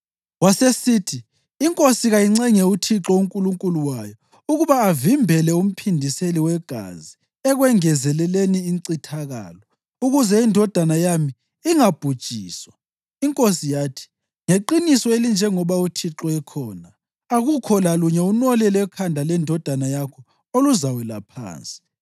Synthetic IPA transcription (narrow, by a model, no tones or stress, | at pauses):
wasesiːtʰiː | ŋkʼosiɣajiŋ͡ǀɛŋɛutʰiǁɔuŋkʼuluŋkʼuluwajɔ | uɣuβaːvimbʱɛlɛum̩pʰindʱiseliwɛɡ̥ʱa̰zi | ɛɣwɛŋɛzɛlɛleniːŋǀitʰaɣa̰ːlɔ | uɣuzɛindʱɔd̥ʱanajami | iŋab̥ʱud̥ʒ̥ʱiːswa | iŋkʼosijaːtʰi̥ | ŋeǃinisɔelind͡ʒʱɛŋɔβautʰiǁɔɛkʰɔːnaː | ɣukʰɔlaluɲɛunɔlɛlɛkʰandʱalɛndʱɔd̥ʱanajakʰɔ | oluzawɛla̰pʰa̰ːnt͡sʼi̥